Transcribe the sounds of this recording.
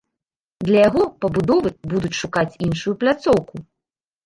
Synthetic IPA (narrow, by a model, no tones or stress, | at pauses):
d̪lʲɐjaɣɔpɐbud̪ɔvɨbud̪ut͡sʲʂukat͡sʲinʂujuplʲat̪sɔwku